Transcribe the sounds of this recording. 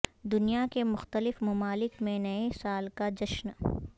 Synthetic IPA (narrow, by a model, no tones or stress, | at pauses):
d̪ʊnijakemʊxt̪əlɪfmɐmaːlɪkmẽnɐesaːlkad͡ʒɐʃn